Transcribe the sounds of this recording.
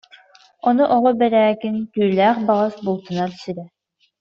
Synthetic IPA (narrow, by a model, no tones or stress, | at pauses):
ɔnuʔɔʁɔbɛɾæːkinkyːlæːχbaʁasbulˠt̪ɯnaɾsyɾɛ